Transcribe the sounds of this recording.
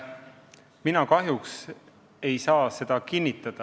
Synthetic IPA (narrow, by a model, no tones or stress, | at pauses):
minɑkɑɦjuks | e̞jsɑːse̞d̪̥ɑkinʲːit̪ːˑɑd̪̥ɑ